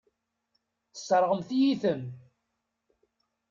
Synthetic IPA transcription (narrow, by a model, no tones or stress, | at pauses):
θə̥səɾˤʁəmθijiθəm